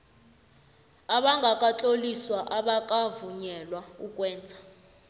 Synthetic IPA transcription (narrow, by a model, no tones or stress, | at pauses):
aɓaŋɡʱakʼat͡ɬʼoliswaʔaɓakʼavuɲɛlwaukʼwɛːnd͡zʱa